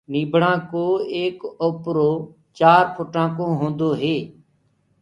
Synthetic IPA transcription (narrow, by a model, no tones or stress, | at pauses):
niːbʱɽãːkoːeːkoːpɾoː | t͡ʃaːɾpʰʊʈãːkõːɦõːnd̪oːɦeː